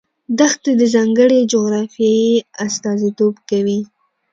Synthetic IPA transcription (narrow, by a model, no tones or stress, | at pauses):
d̪axt̪ed̪əzɑŋɡəɽed͡ʒoɣɾɑfjɑiast̪ɑzit̪obkawi